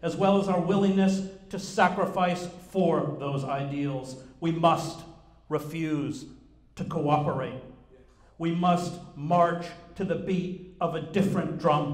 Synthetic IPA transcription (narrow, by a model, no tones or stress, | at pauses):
ɨzwɛlˠəzaʊə˞wɪlˠɪ̃ŋnɨstʰɨsækɹəfaɪsfə˞ðoʊzaɪdil̩ˠzwimʌst̚ | ɹɨfjʉz̥ | tʰɨkʰoʊɑpə˞eɪt̚ | wimʌst̚mɑɹt͡ʃtʰɨðɨbiɾʌvɨdɪfɹɨ̃nd̥ɹʌ̃m